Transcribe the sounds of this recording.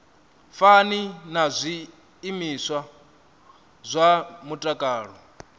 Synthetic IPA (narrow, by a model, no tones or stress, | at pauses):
faninazʷiː | miswa | zʷamutʼakʼaːɺɔ